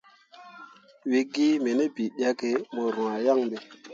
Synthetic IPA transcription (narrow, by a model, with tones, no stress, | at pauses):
we˨ɡi˦me˨ne˦bi˨ɗʲa˦ke˨˦mo˨ɾũ˨a˨ja˦˨ŋɓe˨